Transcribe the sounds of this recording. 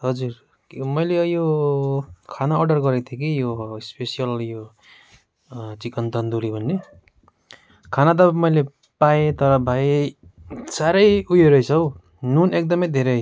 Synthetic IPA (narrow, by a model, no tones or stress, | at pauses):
ɦʌd͡zur | mʌjlejo | kʰanaːrɖʌrɡʌɾekt̪ʰjek̬ijospesijʌljo | t͡sikʌnt̪ʌnd̪uɾibʱʌnːe | kʰanat̪̬ʌmʌjle | pajet̪ʌɾʌbʱaj | saɾʌjujeɾʌjt͡sʰʌw | nunek̚d̪ʌmʌjd̪ʱeɾʌ